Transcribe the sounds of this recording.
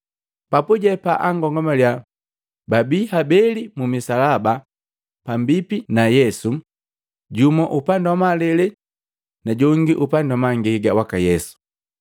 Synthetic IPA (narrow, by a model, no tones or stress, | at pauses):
papuɟɛpaʔaŋɡɔŋɡɔmalja | babihabɛlimumisalaba | pambipinajɛsu | ɟumɔʔupandawmalɛlɛ | naɟɔŋɡiʔupandɔmaŋɡiɡawakajɛsu̥